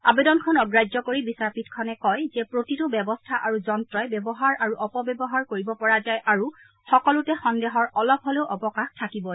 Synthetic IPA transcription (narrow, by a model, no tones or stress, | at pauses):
abedɔnkʰɔnɔɡɹajzɔkoɹibisaɹpitkʰɔnɛkɔjzɛpɹotitʊbɛbɔstʰaʔaɹuzɔntɹɔjbɛbɔɦaɹaɹuʔɔpɔbjɛbɔɦaɹkoɹibɔpɔɹazajʔʔaɹu | xɔkɔlʊtɛxɔndeɦɔɹɔlɔb̚ɦɔleʊʔɔpɔkaxtʰakibɔ